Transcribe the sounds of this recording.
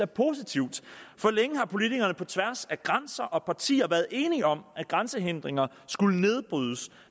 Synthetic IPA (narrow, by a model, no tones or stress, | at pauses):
æɐpʰo̝s̬it͡sʰiʊ̰d̥fɒ̽leŋəɦɑ̈pʰo̝lit͡sʰiɡ̥ɐnəpʰɒ̽t͡sʰʋæɐsæɡ̥ʁansɐʔɒ̽pʰɑ̈t͡sʰḭːɐʋæɐð̩ˠe̝ːniɒ̽mʔæ̥ɡ̥ʁansəɦend̥ʁeŋɐ | sɡ̥uləne̝ð̞ˠb̥ʁyðˠəs